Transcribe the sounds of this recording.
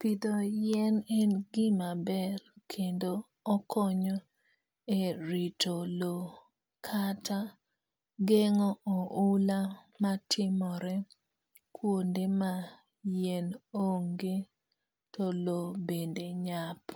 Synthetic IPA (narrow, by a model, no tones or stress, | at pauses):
pidojɛnɛnɡɪmabɛɾkʰendoː | kʰɔɲɔ | eɾitʰolo | kʰatʰa | ɡeŋɔoula | matʰɪmɔɾɛ | kwondema | jenoŋɡe | tɔlobendeɲap